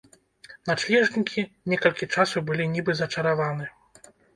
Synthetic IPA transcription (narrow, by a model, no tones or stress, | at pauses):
nat͡ʂlʲɛʐnʲikʲʰinʲɛkɐlʲkʲit͡ʂasuwbɨlʲinʲibɨzɐt͡ʂɐɾavanɨ